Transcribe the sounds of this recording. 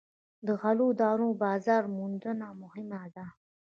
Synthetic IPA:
d̪əɣalod̪ɑɾõbɑzɑːɾmund̪ənamʊhɪmad̪a

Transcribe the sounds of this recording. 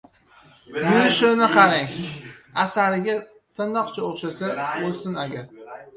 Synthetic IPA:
bʊnɪʃʊnɪqʰɑɾaŋasaɾɪɡʲa | t̪ʰɪnːɒqt͡ʃʰaoχʃasaolsɪnaɡʲaɾ

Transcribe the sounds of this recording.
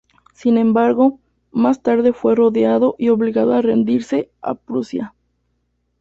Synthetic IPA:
sinẽ̞mbaɾɣo̞ | mast̪aɾðe̞fwe̞ro̞ðjaðo̞ʔio̞βliɣaðo̞are̞nd̪iɾse̞a̰pɾusja

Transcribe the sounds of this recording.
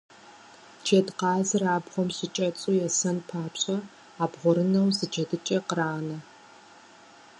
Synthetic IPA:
t͡ʃʰeːdqɑːzɨraːbʁʷɔmɕɪt͡ʃʼɐt͡sʼuːjɛsɐnpʰaːpɕʼɐ | aːbʁʷɔɾɨnɐwzɨd͡ʒɐdɨt͡ʃʼɐqəɾaːnɐ

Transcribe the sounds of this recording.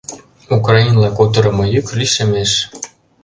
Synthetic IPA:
ukrɑinlɑkot̪ɤ̆ɾɤ̆mɤ̆jykʲlʲiʃemeʃ

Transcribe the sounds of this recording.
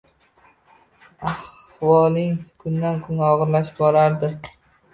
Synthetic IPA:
ah | wɒlɪŋkʰʊnd̪ankʰʊnɒʁɨɾlaʃɪbɒɾaɾd̪ɪ

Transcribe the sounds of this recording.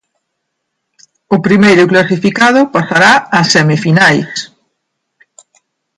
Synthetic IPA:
ʊpɾimejɾʊklasifikað̞ʊpasaɾaːsːɛmifinajs

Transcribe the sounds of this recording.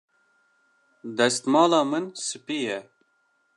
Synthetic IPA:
d̪ɛst̪mɑːlɑːmɨnsɨpiːjɛ

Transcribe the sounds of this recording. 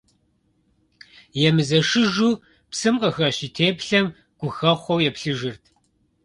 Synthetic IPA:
jɛmɨzɐʃɨʒu | psɨmqəxɐɕitʰeːpɬɐm | ɡ̥ʷʊxɐχʷɔwjɛpɬɨʒɨrtʰ

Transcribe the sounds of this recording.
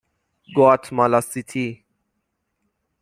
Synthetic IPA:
ɡɔatʰmalasitʰi

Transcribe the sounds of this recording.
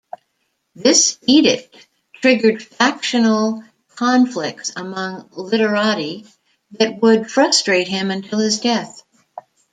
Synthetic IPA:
ðɪsiɾɨt | tʰɹ̥ɪɡə˞d̥fækʃɨnl̩ˠ | kʰɑ̃ɱflɪk̚tsəmʌ̃ŋlɪɾə˞ɑɾi | ðɨt̚wʊd̥fɹʌstɹ̥eɪt̚ɦɪ̃mɨ̃ntʰɪlˠɨzdɛθ

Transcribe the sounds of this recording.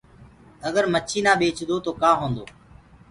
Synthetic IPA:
əɡəɾmət͡ʃʰiːnãːɓeːt͡ʃʰd̪oːt̪oːkãːɦõːnd̪oː

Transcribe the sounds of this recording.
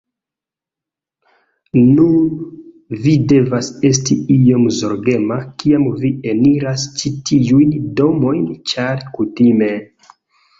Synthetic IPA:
nun | vide̞vase̞s̬tiio̞mzo̞ɾɡe̞makiamvie̞niɾast͡ʃitiujndo̞mo̞jnt͡ʃaɾkutime̞

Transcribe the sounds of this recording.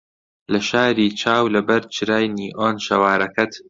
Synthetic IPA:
lɐʃaːɾiːt͡ʃʰaːwlɐbɐɾt͡ʃʰɨɾaːjniːʔoːnʃɐwaːɾɐkɐt̪

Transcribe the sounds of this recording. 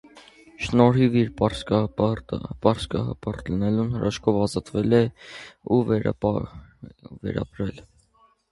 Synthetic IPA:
ʃnɔɾɦiviɾpɾ | pɑɾskɑhɑ̰pɑɾt̪lənɛlunhəɾʔɑʃkʰɔvɑzɑt̪vɛlɛu | vɛ̰ɾɑ̰bɾɛl

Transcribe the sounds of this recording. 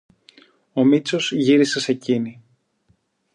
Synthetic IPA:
o̞mit͡so̞z̥ʝiɾise̞se̞cini

